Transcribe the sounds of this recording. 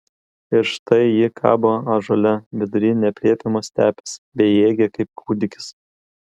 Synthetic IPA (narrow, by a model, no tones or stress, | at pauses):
ɪɾʃt̪ɐɪjɪkʰɑ̰ːboːɐʒoːlʲɛʋʲɪd̪ʊɾʲiːnʲɛpʲlʲiɛpʲɪmoːsʲt̪ʲæːpʲɛ̥sbʲɛɪeːɡʲɛkɐɪp̚kʰuːd̪ʲɪkʲɪ̥s